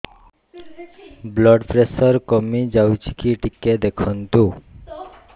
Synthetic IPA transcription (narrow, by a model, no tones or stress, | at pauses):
blɔɖpɾesɔɾkomid͡ʑawt͡ɕʰi̥kiʈikːed̪ekʰɔnt̪u